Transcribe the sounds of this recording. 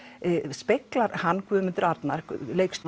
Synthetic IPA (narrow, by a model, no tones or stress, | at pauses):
speklaɾhanːkʰvʏːʏmʏnt̪ɪɾaɾt̪naɾleːjkst̪